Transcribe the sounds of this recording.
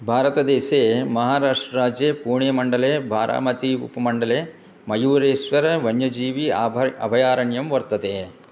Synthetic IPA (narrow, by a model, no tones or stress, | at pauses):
bʱaːɾɐt̪ɐd̪eːseːmɐɦaːɾaːʂʈɾɐɾaːd͡ʒjeːpuːɳjɐmɐɳɖɐleːbʱaːɾʔa̰ːmɐt̪iṵpɐmɐɳɖɐleː | mɐjuːɾeːsʋɐɾɐʋɐɲjɐd͡ʒiːʋiaɐ̰bʱɐjaːɾɐɳjɐmʋɐɾt̪ɐt̪eː